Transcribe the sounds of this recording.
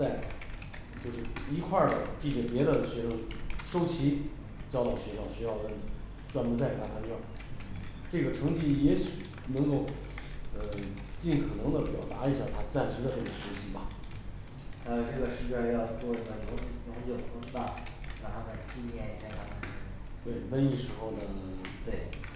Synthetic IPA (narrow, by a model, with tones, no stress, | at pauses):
t͡sa˥˩ɪ˩ | t͡ɕjo˥˧ʊʂ̬ɻ̩˥˩i˧˥kʰwa˥˩d̪ə˩t͡ɕi˥˩ɛ˨˩pjɛ˧˥d̪ə˧ɕɥɛ˧˥ʂɤ˥˩ŋʂo˥ʊt͡ɕʰi˧˥ | t͡ɕɑ˥t̪ɑ˥˩ʊɕɥɛ˧˥ɕjɑ˥˩ʊɕɛ˧˥jɑ˥˩ʊkə˥n | ʈ͡ʂwa˥npu˧˥t͡sa˥˩ɪ˧˩a˥˩a˥t͡ɕo˥˩jɑ˥˩ | ʈ͡ʂɤ˥˩ɡə˩ʈ͡ʂʰɤ˧˥ŋt͡ɕi˥jɛ˧˥ɕy˨˩˦ | nɤ˧˥ŋko˥˩˧ʊ | ə˧ | t͡ɕi˥˩nkʰɤ˨˩nɤ˧˥ŋd̪ə˧pjɑ˨˩ʊt̪a˧˥i˧˥ɕja˥˩t̪ʰa˥˧t͡sa˥˩nʂɻ̩˧˥d̪ə˧ʈ͡ʂɤ˥˩ə˨˩ɕɥɛ˧˥ɕi˧˥bɐ˧ | ə˧ʈ͡ʂɤ˥˩ɡə˩ɕɛ˧˥t͡ɕa˥˧njɑ˥˧ʊt͡swɔ˥˩i˧˩a˥˩nʊ˧˥˨nʊ˧˥ŋt͡ɕo˥˩ʊ˩ko˧˥˧t̪a˥˩ | jɑ˥˩t̪ʰa˥ma˧˩t͡ɕi˥˧njɛ˥˧˨ɕɛ˥na˧˩a˧˩˥ | t̪we˥˩ɪwə˥ni˥˩ʂɻ̩˧˥xo˥˩ʊd̪ə˩t̪we˥˩ɪ